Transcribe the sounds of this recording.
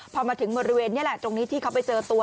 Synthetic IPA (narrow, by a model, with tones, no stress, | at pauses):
pʰɔː˧maː˧t̪ʰɯ˩˦ŋbɔː˧ɾi˦˥weː˧nːi˥˩ɐlɛ˨˩ʔt͡ɕo˧ŋniː˦˥t̪ʰiː˥˩kʰwpa˧jt͡ɕɤː˧t̪u˧ə